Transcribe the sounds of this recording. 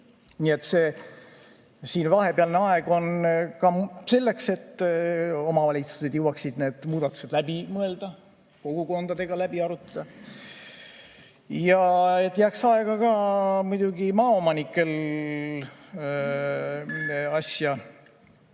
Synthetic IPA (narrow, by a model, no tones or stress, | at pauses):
nie̞t̪ːˑseː | siːnvɑɦe̞peɑlneɑeɡ̥o̞nkɑse̞lːe̞kse̞t̪ː | o̞mɑvɑlʲit̪su̥se̞d̪̥jewɑksid̪̥ne̞ːd̪̥muːd̪ɑt̪ˑu̥se̞d̪̥læb̥imɤe̞ld̪̥ɑ | ko̞ɡ̥uko̞nd̪̥ɑd̪e̞ɡ̥ɑlæb̥iɑɾut̪ːˑɑ̥d̪̥ɑ | jɑe̞t̪ːˑjæːksɑe̞ɡ̥ɑkɑmujd̪̥uɡimɑːo̞mɑnikːˑe̞l | ɑsjɑ